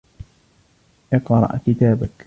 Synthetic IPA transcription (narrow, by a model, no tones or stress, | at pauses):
ʔɨqɾˤɑ̰ʔkɪt̪aːbak